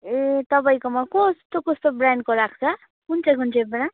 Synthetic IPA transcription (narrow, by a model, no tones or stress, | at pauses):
et̪ʌpajkomakɔst̪okost̪obranɖkoɾak̚ʰt͡sʰʌ | kunt͡sʌjkunt͡sebran